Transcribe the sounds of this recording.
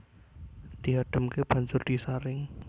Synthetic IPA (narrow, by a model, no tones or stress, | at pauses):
d̪̥iɦaɖ̥ə̤mkeb̥a̤nsʊrd̪̥i̤saɾɪŋ